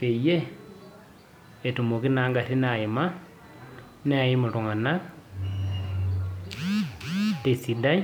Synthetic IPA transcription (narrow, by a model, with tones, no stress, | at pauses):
pe˨je˦ | e˨tu˨mo˨ki˦naːŋɡa˨ti˦nai˨ma˦ | ne˦a˨ji˦mu˨ɾu˨ŋa˨na | te˨si˨da˦